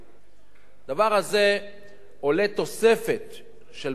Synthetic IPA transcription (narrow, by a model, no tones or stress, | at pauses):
d̪avaʁhaze | ole̞t̪o̞se̞fe̞t̪ | ʃel